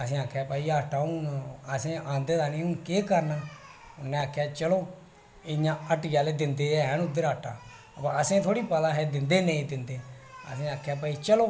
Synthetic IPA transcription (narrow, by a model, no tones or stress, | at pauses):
əsẽːaːkʰːjaːpaːiːaːʈʰaːʊnəsẽːʔãːnd̪eːd̪aːnĩːʊnkeːkəɾnaː | ʊnːɛ̃aːkʰːjaːt͡ʃəloː | ɪɲãːəʈiːjaːleːd̪ɪnd̪eːɛːnʊd̪əɾaːʈʰa̰ː | əpãːəsẽːt̪ʰoːɽiːpəd̪aːɦɛːd̪ɪnd̪eːnẽĩːd̪ɪnd̪eːə̰sĩːaːkʰːjaːpaːiːt͡ʃəloː